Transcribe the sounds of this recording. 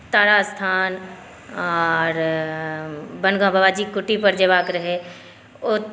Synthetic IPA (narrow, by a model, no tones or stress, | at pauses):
t̪aːɾast̪ʰaːn | ɔɾ | bɐ̃nɡãːbʱɐʋaːd͡ʑiːkʊʈipɐɾd͡ʑeːʋaːkɾɐɦe | ʊ